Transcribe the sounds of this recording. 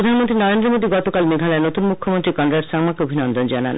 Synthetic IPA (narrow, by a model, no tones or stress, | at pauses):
ɾod̪ʱanmont̪ɾinɔɾend̪ɾomod̪iɡɔt̪okalmeɡʱalaenot̪unmukʰːomont̪ɾikɔnɖɾaʈsaŋmakeobʱinɔnd̪ɔnd͡ʒana̰n